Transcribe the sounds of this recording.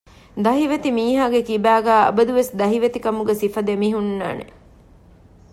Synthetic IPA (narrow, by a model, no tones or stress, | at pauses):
d̪ɐɦiʋet̪imiːɦaːɡekibæːɡæːɐ̰bɐd̪uʋesd̪ɐɦiʋet̪ikɐmuɡesifɐd̪emiɦunːa̰ːnḛ